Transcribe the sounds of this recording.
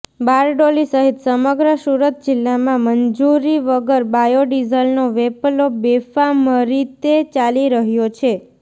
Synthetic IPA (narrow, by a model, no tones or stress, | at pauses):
baɾɖolisəɦit̪səməɡɾəsuɾət̪̚d͡ʒɪlːamãməɲd͡ʒuɾiʋəɡəɾbajoɖizəlnoʋeplobefaməɾit̪et͡ʃaliɾəɦjot͡ʃʰe